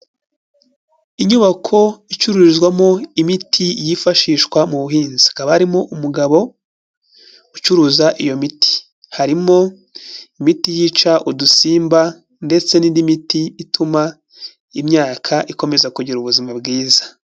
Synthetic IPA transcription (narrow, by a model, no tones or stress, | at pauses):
iɲuβakʰo̞it͡ʃuɾuizɡwamo̞imitʰijifaʃiːʃkwamuβuɦiːnzikaβahaɾimo̞ʔumuɡaβo̞ | ut͡ʃuɾuːzaʔijo̞mitʰi̥ | haɾimo̞ | imitijiːt͡ʃaʔudusiːmba | nde̞t͡se̞nindimitiːtʰuma | imɲaːkʰaʔiko̞me̞zakuɟiɾuβuzimabɡiːzḁ